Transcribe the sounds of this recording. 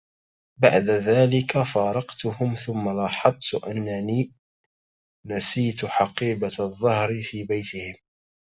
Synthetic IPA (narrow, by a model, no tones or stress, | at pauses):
ba̰ʕd̪aðaːlɪkafɑːɾˤɑqt̪ʊhʊmθʊmːalɑːħɑðˤt̪ʊʔanːaniː | nasiːt̪ħɑqiːbaðˤːɑhɾɪfiːbajt̪ɪhɪm